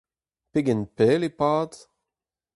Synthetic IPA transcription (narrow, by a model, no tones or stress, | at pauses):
peɡɛnpɛːlepaːd